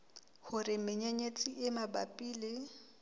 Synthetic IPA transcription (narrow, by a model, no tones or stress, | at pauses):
hʊrɪmɪɲeɲet͡sʼiʔɪmaba̰pʼiːlɪ